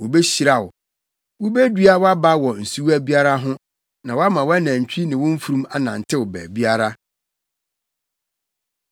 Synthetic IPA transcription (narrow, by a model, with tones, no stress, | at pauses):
wʊ˨be˦ɕi˨ɾa˨wʊ˨ | wʊ˦be˦dɥa˦wa˦ba˦wɔ˨n̩˨su˦wæ˦bi˦a˦ɾa˦ɦʊ̃˦ | nã˨wɔ˦a˦mã˨wɔ˦æ˦næ̃˨ɲ̩˨t͡ɕᶣi˦nɪ̃˨wʊ̃˦m̩˦fu˨ɾũ˦ma˦nã˨n̩˨tʰɪ˦wʊ˨bæ̰ː˨bi˦a˦ɾa˦